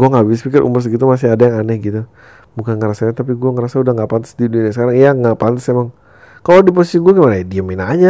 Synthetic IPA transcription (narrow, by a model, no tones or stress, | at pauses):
ɡuɛŋabɪs̬pikɪɾʔṵmʊrs̬ɡit̪̬umas̬ɪadajaŋanɛhɡit̪u | bukanŋəɾasaɲat̪ap̬iɡuɛŋəɾasaudahŋɡapant̪əsdiduniasəkaɾaŋiaŋapant̪əsemaŋ | kalodip̬ɔsiɡuaɡimanaadiaminaːɲa